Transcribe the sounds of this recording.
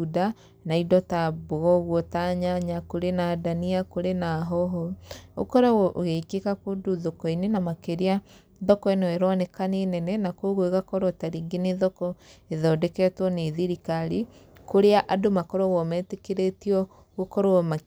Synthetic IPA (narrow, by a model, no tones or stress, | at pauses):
uda | naidɔtaboɣɔɣwɔtaɲaɲakoɾenadaniakoɾenaɦɔɦɔo̰kɔɾaʔoɣeikekakodoðokɔinenamakeɾea | ðɔkɔenɛɛɾɔnɛkaneːnɛnɛnakoɣoeɣakɔɾwɔtaɾiŋɡeneðɔkɔeðɔːdɛkɛtwɔneðiɾikaɾikoɾeaʔadomakɔɾɔɣɔmɛːtekeɾetiɔ | ɣokɔɾoɔma